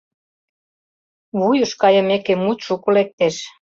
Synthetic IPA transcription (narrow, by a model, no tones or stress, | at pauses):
βujəʃkɑjə̆mekemut̪ʃukolek̚t̪eʃ